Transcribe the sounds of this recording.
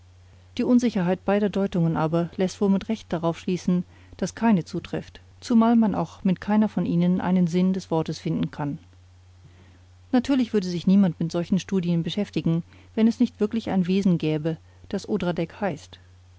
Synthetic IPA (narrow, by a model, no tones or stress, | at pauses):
d̥iːʔʊnzɪçɐɦaɪt̚b̥aɪɾɐdɔʏtʊŋənʔaːbɐlɛstv̥oːlmɪtʁɛçt̚d̥aʁaʊfʃliːsn̩ | d̥askʰaɪnət͡suːtʁ̥ɪft | t͡sumaːlmanʔa̰ʊxmɪtkʰaɪnɐfɔnʔiːnənʔa̰ɪnənzɪndɛsv̥ɔɐtəsfɪndn̩kʰan | natʰyːɐlɪçv̥ʏɐdəzɪçniːmantmɪtz̥ɔlçn̩ʃtuːdiənbəʃɛftɪɡŋ̩ | vɛnɛsnɪçtv̥ɪɐklɪça̰ɪnveːzn̩ɡɛːbə | d̥asʔoːdʁadɛkhaɪst